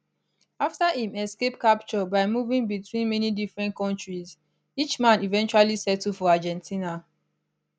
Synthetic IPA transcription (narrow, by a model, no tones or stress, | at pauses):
aftahĩmɛskepkapt͡ʃɔbaɪmuvĩŋbitwĩnmɛnidifɹɛ̃nkɔ̃ntɹiz | it͡ʃmãnivɛ̃nt͡ʃualisɛtufɔad͡ʒɛ̃ntʰĩna